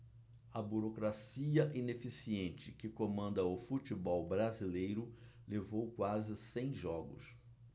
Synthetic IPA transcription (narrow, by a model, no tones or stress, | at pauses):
ɐbuɾokɾasiɐʔĩnefisiẽnt͡ʃɪkɪkomɐ̃nd̪ɐʊfut͡ʃibɔwbɾazilejɾʊ | levowkwazɪsẽj̃ʒɔɡʊ̰s